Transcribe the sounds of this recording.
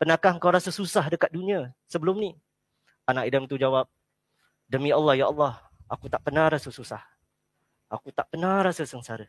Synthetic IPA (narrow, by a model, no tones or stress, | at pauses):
pənakaɦŋkawɾasəsusaɦdəkat̪̚dunĩãsəbəlʊmni | anaʔidəmt̪ud͡ʒawap̚ | dəmĩalːɑhjaʔɑlːɑh | ʔakut̪aʔpənãɾasəsusah | akut̪aʔpənãrɾasəsəŋsaɾə